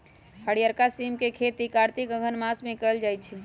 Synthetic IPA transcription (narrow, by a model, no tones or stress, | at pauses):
həɽijəɾkasimkekʰet̪ikaːɾt̪ikəɡʱənmasmẽkəld͡ʒaːjt̪t͡ʃʰɛ